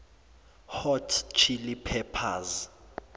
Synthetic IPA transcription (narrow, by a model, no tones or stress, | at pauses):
hɔtʰt͡ʃʰilipʰɛpʰaz